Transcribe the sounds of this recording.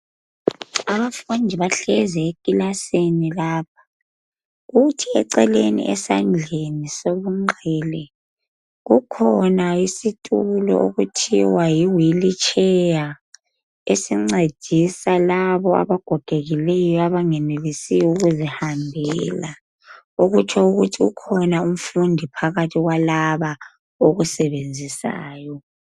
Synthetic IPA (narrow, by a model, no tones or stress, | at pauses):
aβafund͡ʒʱiβaɬɛzɛekʼilasinilaːp̚ʰḁ | ɣutʰiɛǀɛlenḭʔɛ̰sand͡ɮʱenisoβuŋ͡ǃʱɛːlɛ | ɣukʰɔnaisitʼulɔ̰ʔoɣutʰḭwajiwilit͡ʃʼɛja | esiŋ͡ǀed̥ʱisalaβɔa̰βaɡ̥ʱɔɡ̥ʱeɣilɛjɔaβaŋɛnelisiuɣuzihambʱɛla | oɣut͡ʃʰɔuɣutʰiṵkʰɔnaum̩fundʱipʰaɣatʰiɣwalaβa | oɣusɛβend͡zʱisa̰ːjɔ